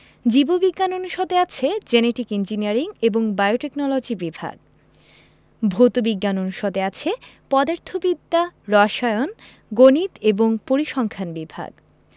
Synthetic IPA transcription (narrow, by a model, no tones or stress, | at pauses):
d͡ʑibobiɡːanonuʃɔd̪eat͡ɕʰed͡ʑeneʈikind͡ʑiniaɾiŋeboŋbajoʈeknɔlod͡ʑibibʱa̰ɡ̚ | bʱot̪obiɡːanonuʃɔd̪eat͡ɕʰe | pɔd̪aɾt̪ʰobid̪ːaɾɔaʃɔeon | ɡonit̪eboŋpoɾiʃɔŋkʰanbibʱa̰ɡ